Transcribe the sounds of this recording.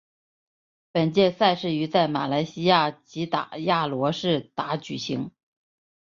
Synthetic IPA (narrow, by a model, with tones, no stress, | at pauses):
pə˨˩nt͡ɕjɛ˥˧sa˥˧ɪʂɻ̩˥˩y˧˥t͡sa˥˩ɪma̰˨˩la˧˥ɪɕi˥ja˥˩t͡ɕi˧˥t̪a̰˨˩ja˥˩lwɔ˧˥ʂɻ̩˥˩t̪a˧˥t͡ɕy˨˩ɕi˧˥ŋ